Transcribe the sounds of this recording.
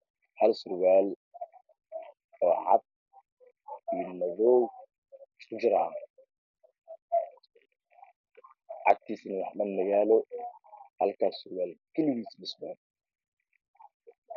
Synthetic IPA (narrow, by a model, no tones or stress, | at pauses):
hɐlsʊɾwaːl | ɔːʕɑ̰d̪̚ | iːnɐðɔw | skʊd͡ʒɪɾa | ʕɑ̰ɡ̚t̪ʰiːsnɐwɑħdɐndɐɣaːlɔ | hɐ̰lkʰasʊɾwaːlkʰɛlɪðiːslɪswan